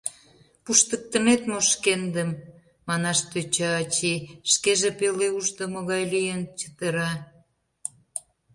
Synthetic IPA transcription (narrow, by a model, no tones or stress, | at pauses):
puʃt̪ək̚t̪ə̆met̪moʃkend̪əmː | ɑnɑʃt̪øt͡ɕɑːt͡ɕiʃkeʒepeleuʒd̪omoɣɑjlijənt͡ɕə̥t̪ə̆ɾɑ